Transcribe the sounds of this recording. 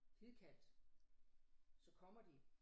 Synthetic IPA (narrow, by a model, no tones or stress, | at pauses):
hʰiðˠkʰæd̥ | sɒ̽kʰɒ̽m̰ɐd̥i